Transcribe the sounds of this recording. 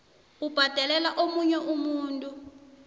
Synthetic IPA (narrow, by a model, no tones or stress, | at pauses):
ub̥ʱad̥ʱɛlɛlaʔomuɲɛʔumuːntʼu